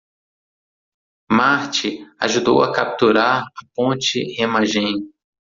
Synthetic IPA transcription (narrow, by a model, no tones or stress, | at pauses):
maɾt͡ʃɪa̰ʒud̪owakap̚t̪uɾaɾɐpõnt͡ʃɪhemaʒẽj